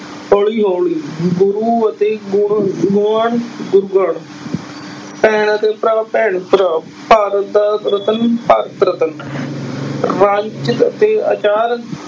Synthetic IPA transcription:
hoːɭiːɦoːɭiːɡʊɾuːət̪eːɡʊɡʊəɳɡʊɾɡəɳ | pɛːɳət̪eːpɾaːpɛːɳpɾa | paːɾət̪̚d̪aːɾət̪ənpaːɾət̪ɾət̪ən | ɾãːt͡ʃɪt̪ət̪eːə̰t͡ʃaːɾ

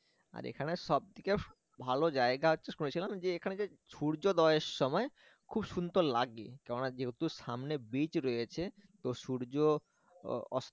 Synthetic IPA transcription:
a̰ɾḛkʰaneʃɔb̚d̪ike | bʱalod͡ʑaeɡaotːɕʰeʃunet͡ɕʰilamd͡ʑeekʰaned͡ʑe | ʃuɾd͡ʑod̪ɔeʃːɔmɔe | kʰubʃund̪oɾlaɡḭkɛɾonad͡ʑeɦt̪uʃamnebit͡ɕɾojet͡ɕʰet̪oʃuɾd͡ʑo | ɔ̰s

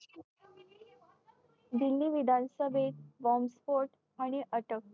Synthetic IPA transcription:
d̪ilːiʋid̪ʱãnsəbeʈ̚ʋɔmspoʈ | aɽ̃iʔəʈək̚

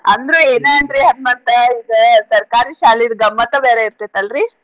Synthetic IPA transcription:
ɐnd̪ɾueːneɐɳdɾiɦɐnmɐnd̪ɐiɡesɐɾkaːɾiʃaːliɾɡɐmːɐt̪ɐbeːɾeiɾt̪et̪ɐlɾi

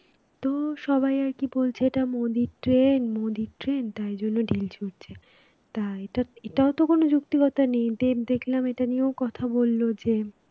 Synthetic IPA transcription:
t̪oʃɔbajaɾkibolt͡ɕʰeeʈamod̪iʈɾenmod̪iʈɾent̪aɾd͡ʑonːoɖilt͡ɕʰuɾt͡ɕʰe | t̪aeʈaeʈaot̪okonod͡ʑukt̪ikɔt̪anejd̪ed̪ekʰlameʈaniokɔt̪ʰabolːod͡ʑe

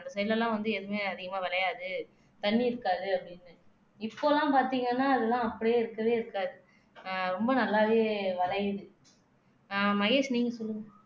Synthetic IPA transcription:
ɐnd̪ɐsɐjlɐlːãːʋɐnd̪ɯɛðɯmeːɐðɪɣɐmaːʋɐɭɐjaːðɯ | t̪ɐɳːiɪɾɯkːaːðɯɐpːɐɽɪnːɯ | ɪpːoːlãːpaːɾt̪iːŋɡɐnːaːɐðɯlãːɐpːɐɽjeːɪɾɯkːɐʋeːɪɾɯkːaːðɯ | ɾɔmbɐnɐlːaːʋeːʋɐɭɐjðɯ | amɐɣeːʂniːŋɡɐsɔlːɯŋɡɐ

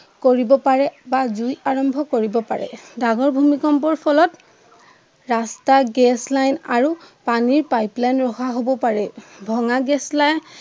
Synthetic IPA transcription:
koɹibɔpaɹɛbazujaɹɔmbʱɔkoɹibɔpa̰ɹɛ̰daɡɔɹbʱumikɔmpɔɹpʰɔlɔt | ɹastaɡɛslajnaɹupaniɹpajplanɹɔxaɦobɔpaɹɛbʱɔŋaɡɛslajn

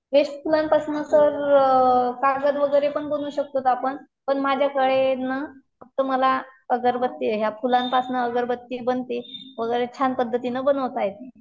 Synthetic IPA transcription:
ɦeɕpʰulanpasnəsəɾ | kaɡəd̪ʋəɡəjɾepəɳbənuːɕək̚t̪ot̪apəɳ | pəɳmad͡ʑʱjakəɭenəfək̚t̪əməlaəɡəɾbət̪ːiɦjafulanpasnəəɡəɾbət̪ːibənt̪iʋəɡəjɾet͡ɕʰanpəd̪ʱːət̪iːnəbənəʋt̪ajet̪e

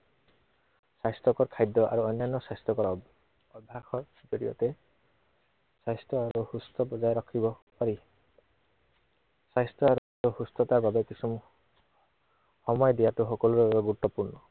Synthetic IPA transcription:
sajst̪ɔkɔɹkʰajd̪ɔʔa̰ɹuɔjnːanːɔsajst̪ɔkɔɹɔ | ɔbʱakɔ | d͡ʒɔɹijɔ̰tɛ | sajstɔaɹuhust̪ɔbɔzajɾɔkʰibɔpaɹi | sajstɔaɹu | uhust̪ɔtaɹbabekisum | hɔmɔjdijatuxɔkɔluɹɡɔɡutːɔpuɹnɔ

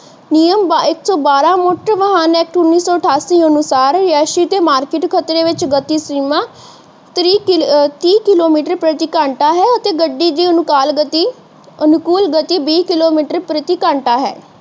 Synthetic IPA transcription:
nijəmbaɪksɔːbaːɾãːmoːʈɾʋəɦaːnɛːk̚ʈʊnːiːsɔːəʈʰaːsiːɦənʊsaːɾɾɪaːʃiːt̪eːmaːɾkɪʈkʰət̪ɾeːʋɪt͡ʃɡət̪iːsɾiːmãː | t̪ɾiːt̪iːkɪloːmiːʈəɾpɾət̪iːkaːɳʈaːɦɛːət̪eːɡəɖːiːd̪iːənʊkaːlɡət̪iː | ənʊkuːlɡət̪iːbiːkɪloːmiːʈəɾpɾət̪iːkãːɳʈaːɦɛ̰ː

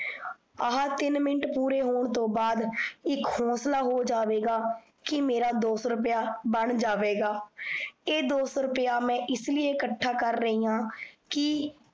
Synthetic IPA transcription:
əɦãːt̪ɪnmɪɳəʈpuːɾeːɦoːɳt̪õːbaːd̪ɪkhõːslaːɦoːd͡ʒaːʋeːɡaː | kɪmeːɾaːd̪oːsɾʊpjaːbəɳd͡ʒaːʋeːɡaː | eːd̪oːsɾʊpəjaːmɛ̃ːʔɪslɪeːkəʈʰːaːkəɾːəɦiːãːkɪ

